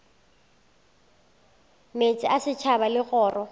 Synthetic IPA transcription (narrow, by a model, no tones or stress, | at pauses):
met͡sʼɪʔasɪt͡ʃʰabalɪɣɔːrʔɔ